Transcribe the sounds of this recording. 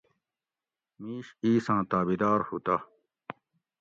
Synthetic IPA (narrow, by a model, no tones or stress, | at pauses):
miːɕiːsãːt̪aːbid̪aːɾhut̪a